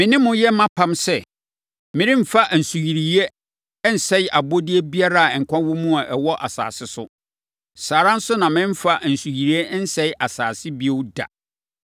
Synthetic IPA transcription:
mɪ̃˨nɪ̃˦mʊ̃˦jɛ˦mã˦pʰã˦msɛ˦ | mɪ̃˨ɾĩ˦m̩˦˨fa˦ʔn̩˨su˨ji˨ɾi˨e˦ | n̩˨sɛ˦jʔa˨bo˦di˦e˦bi˦a˦ɾa˦a˨ɛ˨ŋ̩˨kʷʰã˦wʊ˦mũ˦a˨ʔɛ˨wɔ˦ʔa̰˨sa̰ː˨sɪ˦sʊ˦ | saː˨ɾã˦n̩˦sʊ˦nã˨mɪ̃˦m̩˦fa˦ʔn̩˨su˨ji˨ɾi˨e˦n̩˦sɛ˦jʔa˨saː˨sɪ˦bi˦e˦wʊ˦da̰˨

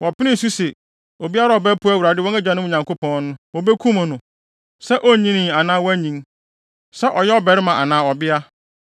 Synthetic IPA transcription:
wɔ˨pɪ˦nɪ̃˦˨su˦sɛ˨ | o˨bi˦a˦ɾa˦˨ɔ˨bɛ˦pʰu˦æ˦wu˨a˨˦dɪ˦wɔ̃˦æ˦d͡ʑᶣã˨˦nʊ̃˦˨ɲã˨ŋko˦pʰɔ̃˦nnʊ̃˦wɔ˨bɛ˦kʰũ˦mã˨nʊ̃˨ | sɛ˦ʔo˦˨ɲĩ˦nĩ˨a˨nãː˦wɔ˦æ˦ɲĩ˨˦ŋ | sɛ˦ʔɔ˨jɛ˦ɔ˦bɛ˨ɾɪ˦mã˨ʔa˨nãː˨ɔ˨bɪ˦a˦

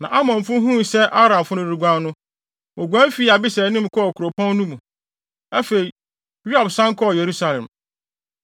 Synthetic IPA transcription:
nã̰˨ʔa˦mɔ̃˨m˨fʊ̃˦ɦũ˦˨sɛ˦ʔa˦ɾã˨m˨fʊ̃˦nʊ̃˦ɾu˨ɡʷã˦nːʊ̃˦ | mʊ̃˨ɡʷæ̃˦fi˦a˨bɪ˦sɛ˨˦nĩ˦m̩˨kʰɔ˦˨kʰu˨ɾo˨pʰɔ̃˦nː˦ũ˦mũ˨ | æ˦fe˨i˨ | ɾu˦a˨bsã˦ŋ˦kʰɔ˦˨je˨ɾu˦sa˨lɛ̰̃˨m

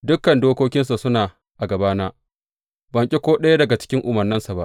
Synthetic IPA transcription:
dʊ˦kːɐ˨ndoː˦kʷoː˦kʲɪ˦nsa˨sʊ˦naː˨ | ʔa˨ɡɐ˨baː˦naː˦ | bɐ˨ŋkʲʼe˦kʷoː˦ɗɐ˦ja˦dɐ˨ɡa˨t͡ʃɪ̥˦kʲɪ˦ŋʔʊ˨mɐ˨rnɐ˦nsa˨ba˦ʔ

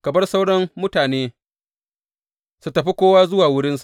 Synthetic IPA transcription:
kɐ˨bɐ˦rsa˦wɽɐ˦mmʊ˦taː˨neː˦ | su˨tɐ˨ɸi˦kʷoː˦waː˦zʊ˦waː˨wʊ˦ɽɪ˦nsḁ˨ʔ

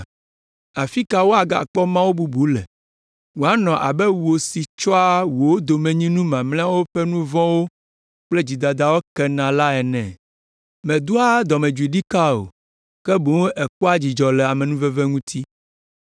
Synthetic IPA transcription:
a˨fi˦ka˨wo˦a˨ɡa̰˨k͡pɔ˦mã˦wo˦bu˦bu˨˦lɛ˨ | wo˨a˦nɔ̃˨ʔa̰˨bɛ˦wu˨o˨si˨t͡ʃɔ˦a˦wo˨wo˦d̪o˨mɛ̃˨ɲĩ˦nũ˦mã˨mlɛ̃˦a˦wo˦ɸɛ˦nũ˦vɔ̃˦wo˦ | k͡plɛ˦d͡ʑi˨d̪a˨d̪a˦wo˦kɛ˦nã˨la˦ɛ˨nɛ̃˨ | mɛ̃˨d̪u˦a˦d̪ɔ˨mɛ̃˨d͡ʒu˨i˨ɖi˦ka˦o̰˨ | kɛ˦bo˨˦ŋ˦ʔɛ˨k͡pɔ˦a˦d͡ʑi˨d͡ʒɔ˨lɛ˨a˨mɛ̃˨nũ˦vɛ˦vɛ˦ŋũ˦t̪ʰi˦

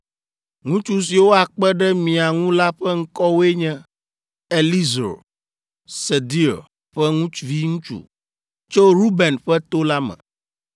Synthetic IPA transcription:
ŋũ˦t͡ʃu˦s̬i˨wo˦a˨k͡pɛ˦ɖɛ˦mĩ˨a˨ŋũ˦la˦ɸɛ˦ŋ̩˦kɔ˦wo˦e˦ɲɛ̃˦ | e˨li˦zo˨ | se˨d̪i˦o̰˨ | ɸɛ˦ŋũ˦t͡ʃu˨vi˦ŋũ˦t͡ʃṵ˨ | t͡ʃo˦ɾu˦bɛ˨nɸɛ˦t̪o˦la˦mɛ̰̃˨

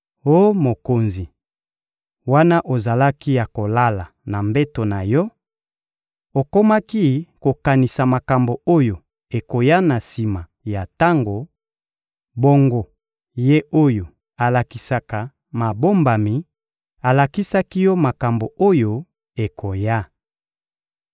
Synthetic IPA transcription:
o˦mo˨ko˨nzi˨ | wa˦na˦ʔo˨za˨la˦ki˦ja˨ko˨la˦la˨na˨mbe˦to˨na˨jɔ˦ | o˨ko˦ma˦ki˦ko˨ka˨ni˨sa˨ma˨ka˨mbo˨o˦jo˨ | e˨ko˨ja˦na˨si˨ma˨ | ja˨ta˦ŋɡo˨ | bo˦ŋɡo˨ | je˦ʔo˦jo˨ | a˨la˨ki˨sa˨ka˨ | ma˨bo˦mba˨mi˨ | a˨la˨ki˦sa˦ki˦jɔ˦ma˨ka˨mbo˨o˦jo˦ | e˨kʰo˨ja˦

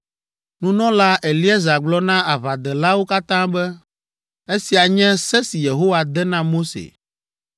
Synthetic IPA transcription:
nũ˦nɔ̃˦la˦ʔe˨li˦ɛ˦za˨ɡ͡blɔ˦nã˦a˨βa˨d̪ɛ˨la˦wo˦ka˦t̪ã˦bɛ˦ | e˦si˨a˨ɲɛ̃˦sɛ˦si˨je˨ɦo˦wa˨d̪ɛ˦nã˦mo˦sḛ˨

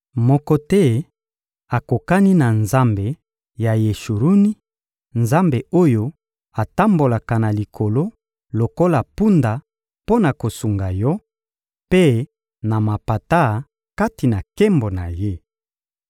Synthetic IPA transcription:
mɔ˦kɔ˦tɛ˦ | a˨ko˨ka˦ni˦na˨nza˦mbe˨ | ja˨je˨ʃu˨ɾu˦ni˦ | nza˦mbe˨o˦jo˦ | a˨ta˦mbo˨la˨ka˨na˨li˨kʰo˨lo˦ | lo˨ko˦la˨pu˦nda˨ | po˦na˨ko˨su˨ŋɡa˨jɔ˦ | pe˦ | na˨ma˨pa˨ta˦˨ | ka˦ti˨na˨ke˦mbo˨na˨je˦

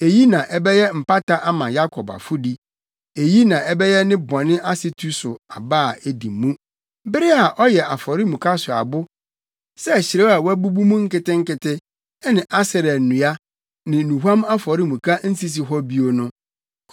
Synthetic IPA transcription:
e˨ji˦nã˨ʔɛ˦bɛ˦jɛ˦m̩˨pa˦ta˦ʔa˦mã˨ja˦kʰɔ˨ba̰˨fʊ˦di˦ | e˨ji˦nã˨ɛ˦bɛ˦jɛ˦nɪ̃˦bɔ̃˨nɪ̃˦ʔa˦sɪ˦tʰu˦sʊ˨a˨baː˦˨e˨di˨mːũ˦ | bɪ˦ɾɪ˦a˨ʔɔ˦jɛ˨a˨fɔ˨ɾi˦mũ˨kʰa˦sʊ˨a̰˨bʊ˦ | sɛ˦˨ɕɪ˨ɾɛ˦a˨wæ˦bu˦bu˦mũ˦ŋ̩˦kɪ˦tɪ̃˦ŋ̩˦kɪ˦tʰɪ˦ | nɪ̃˨ʔa˦sɪ˨ɾɛ˨nʊ̃˨a˦ | nɪ̃˨nũ˨ɦã˦ma˦fɔ˨ɾi˦mũ˨kʰa˦n̩˦si˦s̬i˨ɦɔ˦bi˦o˨nʊ̃˦

